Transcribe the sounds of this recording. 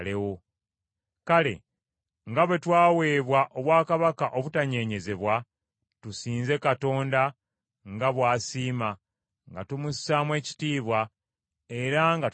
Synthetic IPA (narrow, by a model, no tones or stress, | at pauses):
lewo | kale̞̰ | ŋɡaβwe̞twaːwe̞ːβwaʔo̞βwaːkaβakaʔo̞βutaɲe̞ːɲe̞ze̞βwa | tusiːnze̞kato̞ːnda | ŋɡaβwaːsiːma | ŋɡa̰tumusamwe̞ːci̥tiːβwa | e̞ɾaŋɡa